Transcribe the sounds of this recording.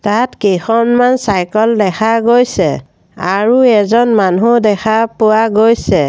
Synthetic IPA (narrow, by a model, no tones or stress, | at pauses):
tatkexɔnmansajkɔldɛxʰaɡojsɛ | a̰ɹuɛzɔnmanudɛxʰapʊwaɡojsɛ